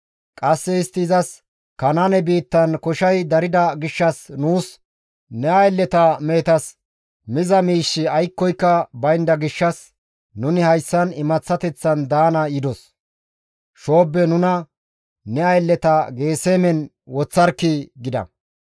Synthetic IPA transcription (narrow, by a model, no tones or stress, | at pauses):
kʼɐsːɛɪst̪ːɪzɐs | kɐnanɛbiːt̪ːɐnkɔʃɐjd̪ɐɾɪd̪ɐɡɪʃːɐsnuːs | nɛɐjlːɛt̪ɐme̞ːt̪ɐs | mɪzɐmiːʃːɪɐjkːɔjkːɐbɐjnd̪ɐɡɪʃːɐs | nʊnɪhɐjsːɐnɪmɐt͡sːɐt̪ɛt͡sːɐnd̪aːnɐjɪd̪ɔs | ʃo̞ːbːɛnʊnɐ | nɛɐjlːɛt̪ɐɡe̞ːseːmɛn | wɔt͡sːɐɾkːɪɡɪd̪ɐ̰